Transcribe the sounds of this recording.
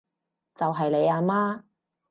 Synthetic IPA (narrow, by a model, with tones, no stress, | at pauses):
t͡sɐ˨wɦɐ˨jle˨˧jaː˧maː˥